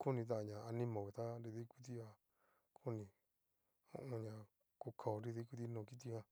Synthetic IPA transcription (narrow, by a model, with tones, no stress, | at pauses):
kʰu˦nĩ˧t̪ã˦ʔã˧ɲã˨a˧nĩ˦mõ˨βe˨t̪a˦nɾi˧ði˦kʷi˦t̪̬i˦a˧ | kʰu˦nĩ˧ | õ̰˦˧ʔõ˧ɲã˧ | ko˧kʰa˨o˨˧ɾi˧ði˦ku˧˦t̪̬i˧nõː˨˧˨ki˦t̪i˧hã˧